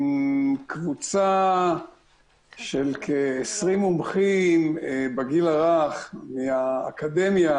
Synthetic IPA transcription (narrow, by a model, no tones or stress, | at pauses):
kvut͡sa | ʃelkʰeesʁimumχimbaɡilaʁaχmia̰ːkad̪emja